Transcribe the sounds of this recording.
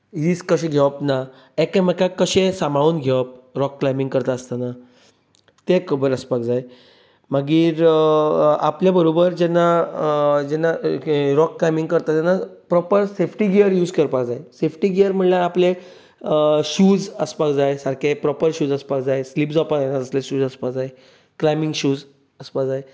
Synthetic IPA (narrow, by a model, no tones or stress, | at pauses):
ɦiskəɕẽɡʱeʋəpna | ekaməkakːəɕẽsamauːnɡʱeʋəp̚ɾɔkːlajmiŋɡkəɾt̪aəst̪ana | t̪ekəbəɾəspak̚d͡zaj | maɡiːɾ | a̰pljabəɾobəɾd͡ʑɛnːa | d͡ʑɛnːaɾɔkːlajmiŋɡ̚kəɾt̪at̪ɛnːapɾɔpəɾsefʈiɡiəɾjuːd͡zkəɾpakd͡zaesefʈiɡiəɾm̤əɳlaːple | ɕuːd͡zəspakd͡zaesaɾkʰepɾɔpəɾɕuːd͡zəspakd͡zaesliːpd͡zapaɛnatəsleɕuːd͡zəspakd͡zae | klajmiŋɡɕuːd͡z | əspakd͡zae